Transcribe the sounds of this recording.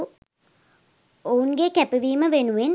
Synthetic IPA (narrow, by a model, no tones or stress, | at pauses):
ounɡekæpiʋiːməʋenuʋen